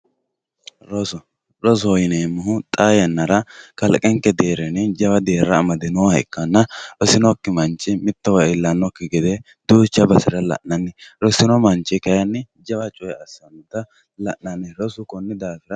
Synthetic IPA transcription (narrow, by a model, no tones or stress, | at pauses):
ɾɔsɔ | ɾɔs̬ɔɔjɪneːmːʊɦʊt̪ʼaːjɐnːɐɾɐkɐlkʼɛŋkːɛd̪eːɾɛnɛd͡ʒɐbɐd̪eːɾːɐːmɐd̪ɪnɔhɐɪ̰kːɐnːɐɾɔsɪnɔkːɪmɐnt͡ʃːɪmɪt̪ːɔwɐɪlːɐnːɔkːɪɡɛd̪e | d̪̥uːt͡ʃːɐbɐsɪɾɐlɐ̰ʔnɐnːɪɾɔsɪnɔmɐnt͡ʃːɪkɐjɐnːɪ | d͡ʒɐwɐt͡ʃʼɔjɛɐsːɐnt̪ːɐ | lɐʔnɐnːɛɾɔsʊkɔnːɪd̪aːfɪɾɐ